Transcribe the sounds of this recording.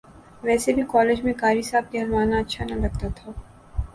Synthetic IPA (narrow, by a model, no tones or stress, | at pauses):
ʋɛːsebʱikɔːleːd͡ʒmẽkaːɾisaːb̚keɦɐlmaːnaɐtːʃʰanɐɾɐɡ̚t̪at̪ʰaː